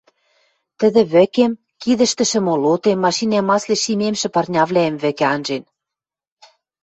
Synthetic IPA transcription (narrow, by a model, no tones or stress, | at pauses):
t̪ə̆ðɘ̆βɘ̆kem | kiðɘ̆ʃt̪ɘ̆ʃɘ̆molot̪emːɑʃinæmɑsleʃimemʃɘ̆pɑrnʲɑβlæemβɘ̆kĕɑnʒen